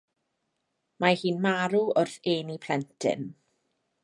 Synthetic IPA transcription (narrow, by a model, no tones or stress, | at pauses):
mahiːnmaɾuʊrθeːnipʰlɛntʰɪ̰n